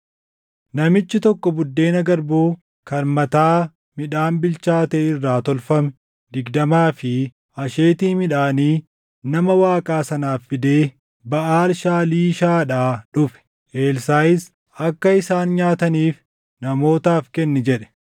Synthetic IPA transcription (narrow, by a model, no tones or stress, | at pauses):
nɐmɪt͡ʃːɪt̪ɔkːɔbʊd̪ːe̞ːnɐɡɐɾbuː | kɐɾmɐt̪aː | mɪᶑaːnbɪlt͡ʃaːt̪ɛːɪrːaːt̪ɔlfɐmɛ | d̪ɪɡd̪ɐmaːfɪ | ɐʃeːt̪iːmɪᶑaːniː | nɐmɐwaːkʼaːsɐnaːfːɪd̪eː | bɐʔaːlʃaːliːʃaːᶑaːᶑʊfɛ̥ | ʔeːlsaːjɪs | ɐkːɐɪsaːnɲaːt̪ɐniːf | nɐmo̞ːt̪aːfkɛnːɛd͡ʒɛᶑɛ̥